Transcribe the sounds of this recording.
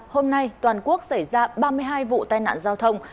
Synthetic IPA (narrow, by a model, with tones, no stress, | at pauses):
ho˧mna˧jt̪waː˨˩nku˦˥ək̚sa˧˩jzaː˧ɓaː˧mɨ˧əjɦaː˧jvṵ˧˨t̪aː˧jna̰ː˧˨nzaː˧wt̪ʰə˧wŋ͡m